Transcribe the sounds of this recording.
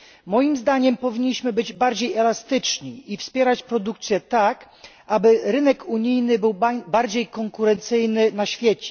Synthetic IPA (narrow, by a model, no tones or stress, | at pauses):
mɔjimzd̪aɲɛmpɔvʲiɲːiɕmɘbɘd͡ʑbaɾd͡ʑejɛlast̪ɘt͡ʂɲiifspʲjɛɾat͡ɕpɾɔd̪uk̚t̪sʲjɛt̪ak | ʔabɘɾɘnɛkuɲijnɘbɘwbaɾd͡ʑejkɔŋkuɾɛnt̪sɘjnɘnaɕfʲjɛt͡ɕɛ̥